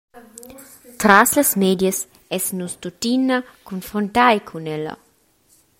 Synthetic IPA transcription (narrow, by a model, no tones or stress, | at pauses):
t̪ɾaslasmeːd̪jes | ɛsnust̪ut̪inːa | kunfɾont̪ajkʰunɛla̰